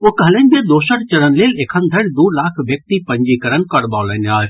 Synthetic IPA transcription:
oːkɐɦlənʲd͡ʒed̪oːʃəɽt͡ʃɐɽənleːlekʰənd̪ʱɐɽʲd̪uːlaːkʰʋjək̚t̪ipəɲd͡ʒikəɾənkɐɽbaːlənaːɾʲ

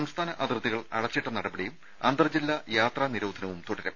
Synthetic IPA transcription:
ɐmst̪ʰaːnɐʔɐd̪rɨt̪ːiɣɐɭɐ̰ɽɐt͡ɕːiʈːɐnɐɽɐbɐɽijum | ɐnd̪rɐd͡ʑilːɐjaːt̪rɐniɾoːd̪ʱɐnɐʋumt̪uɽɐɾḛ

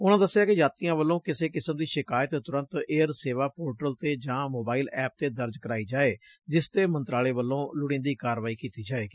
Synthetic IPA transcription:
ʊnãːd̪əsːɪjaːkɪd͡ʒaːt̪ɪjãːʋəlːõːkɪseːkɪsəmd̪iːʃɪkaːjət̪t̪ʊɾə̃nt̪eːəɾseːʋaːpoːɾʈəlt̪eːd͡ʒãːmoːbaːiːlɛːp̚t̪eːd̪əɾd͡ʒkəɾaːiːd͡ʒaːeːd͡ʒɪst̪eːmənt̪ɾaːleːʋəlːõːlʊɽɪ̃ːnd̪iːkaːɾʋaːiːkiːt̪iːd͡ʒaːeːɡiː

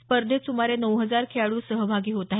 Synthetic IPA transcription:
spəɾd̪ʱesumaɾenəwɦəd͡zaɾkʰeaɭuːsəɦbʱaɡiːɦot̪aɦ

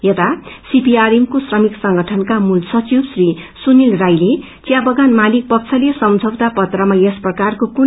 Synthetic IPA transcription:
jet̪asipiaɾimkosrʌmiksʌŋɡʌʈʰʌnkamulsʌt͡sibsrisunilrajle | t͡sjabʌɡanmalik̚pʌk̚t͡sʰʌlesʌmd͡zʱʌwt̪apʌt̪rʌmajesprʌkarkokun

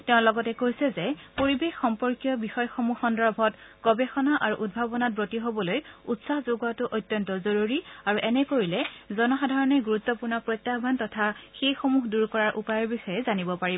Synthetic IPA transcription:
tɛʊ̃lɔɡɔtɛkojsɛzɛpoɹibexːɔmpɔɹkijɔbixɔjxomuxɔndɔbʱɔtɡ̥ɔbexɔnaʔaɹuʔud̚bʱabɔnat̚bɹotiɦobɔlojutsahzoɡatʊʔojtːjɔntɔzoɹuɹiaɹuʔɛnɛkoɹilɛzɔnɔxadʱaɹɔnɛɡuɹut̪ːɔpuɹnɔpɹotːabʱantɔtʰaxejxomuɦduɹkɔɹaɹʔupajɔɹbixɔjɛzanibɔpaɹi

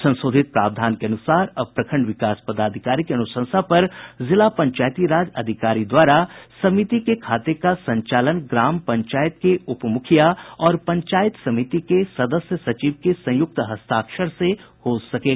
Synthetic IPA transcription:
sɐ̃nsoːd̪ʱɪt̪̚pɾa̰ːpd̪ʱaːnkeɐnʊsaːɾɐb̚pɾɐkʰə̃ɳɖʋɪkaːspɐd̪aːd̪ʱɪkaːɾikeɐnʊʃə̃nsapɐɾzɪlapɐ̃ɲt͡ʃaːjt̪iɾaːd͡ʒɐd̪ʱɪkaːɾid̪waːɾasɐmit̪ikekʰaːt̪ekasɐ̃ɲt͡ʃaːlənɡɾaːmpɐ̃ɲt͡ʃaːjət̪̚keʔʊpmʊkʰijaɔːɾpɐ̃ɲt͡ʃaːjɪt̪sɐmɪt̪ikesɐd̪əsjəsɐt͡ʃiːʋkesɐ̃jʊk̚t̪ɦɐst̪aːkʃəɾse | hoːsɐkeː

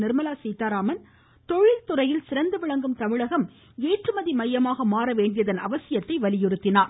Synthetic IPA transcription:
nɪɾmɐlaːsiːt̪aːɾaːmɐn | t̪ɔɻɪlt̪ʊrɐjɪlsɪɾɐnd̪ɐʋɪɭɐŋɡɯmt̪ɐmɪɻɐɣɐm | eːʈrɯmɐðimɐjːɐmaːɣɐmaːɾɐʋeːɳɖɪjɐðɐnɐʋɐsɪjɐt̪ːɐɪʋɐlɪjɪɾɯt̪ːɪnaːɾ

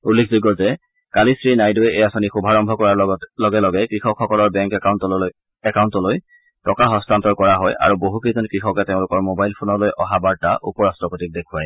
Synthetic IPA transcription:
ulːekʰzuɡɔzɛ | kalisɹinajdoɛʔejasonixubʱaɹɔmbʱɔkɔɹalɔɡɛlɔɡɛkɹixɔkʰxɔkɔlɔɹbɛŋkawntɔ | ɛkawntɔloj | tɔkaɦɔstantɔɹkɔɹaɦɔjʔa̰ɹuboɦukezɔnkɹixɔkɛteʊ̃lʊkɔɹmobajlpʰonɔlojʔɔɦabaɹtaʔṵpɔɹastɔkotik̚dekʰuaj

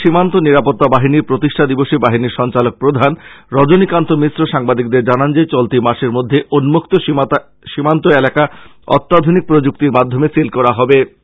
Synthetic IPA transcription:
ʃimant̪oniɾapot̪ːabaɦiniɾpɾot̪iʃʈʰad̪iboʃibaɦiniɾʃɔnt͡ɕalok̚pɾod̪ʱanɾɔd͡ʑonikant̪omisɾoʃaŋbad̪ik̚d̪eɾd͡ʑanand͡ʑet͡ɕolt̪imaʃeɾmod̪ʱːeʔonmokt̪o | ʃimant̪oelaka | ɔ̰t̪ːad̪ʱonik̚pɾod͡ʑuk̚t̪iɾmad̪ʱːomesilkɔɾaɦɔbe

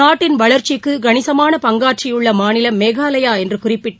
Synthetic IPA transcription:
aːʈːɪnʋɐɭɐɾt͡ʃɪkːɯɡɐnɪsɐmaːnɐpɐŋɡaːʈ̚t͡ʃɪjɯɭːɐmaːnɪlɐmːeːɣaːlɐjaːɛndrɯkʊrɪpːɪʈːɐ

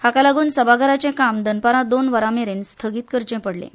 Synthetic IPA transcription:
hakalaɡuːnsəbaɡʱaɾat͡sẽkamd̪ənpaɾãd̪onʋəɾameɾenst̪ʰəɡiːt̪kəɾt͡ɕɛ̃pəɽlḛ̃

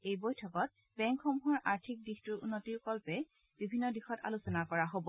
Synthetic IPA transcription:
ejbojtʰɔkɔt̚ | bɛŋkxomuɦɔɹʔaɹtʰik̚dixtuɹṵnːotiɹkɔlpɛ | bibʱinːɔdixɔta̰lusɔnakɔɹaɦobɔ

